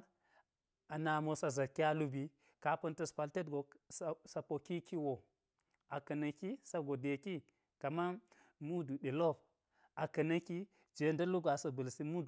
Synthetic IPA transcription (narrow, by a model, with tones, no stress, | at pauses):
a˨na˨mo˨sa˨za˨kːi˦a˦lu˦bi˦ | ka˦pɐ˦ntɐ˦spa˨lte˦tɡo˨ssa˨po˨ki˦ki˦wo˨ | a˨kɐ˨nɐ˨ki˦sa˦ɡo˨de˨ki˦ | ka˨ma˦ | mu˦du˨ɗe˨lo˦˨b | a˨kɐ˨nɐ˦ki˦ | d͡ʒe˨ndɐ˦lu˦ɡa˨sɐ˨bɨ˨lsi˦mu˦˨